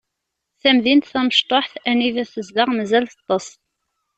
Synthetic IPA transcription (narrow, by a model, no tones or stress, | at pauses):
θæmðint̪θæməʃt̪ˤoħθæniðæθəzd̪əʁmæzælθɑt̪ˤːɑsˤ